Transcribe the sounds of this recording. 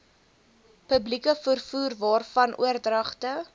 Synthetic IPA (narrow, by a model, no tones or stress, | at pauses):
pəblikəfərfuːrvɑːrfɐnʔṵərdrɐχtə